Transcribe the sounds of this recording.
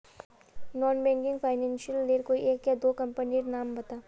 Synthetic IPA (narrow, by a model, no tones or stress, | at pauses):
nɔːnbɛ̃ːŋkɪ̃ŋɡpʰaːɪnɛ̃ːnʃiəlːeːɾkoieːkjad̪oːkɐ̃mpəniɾnaːmbɐt̪aː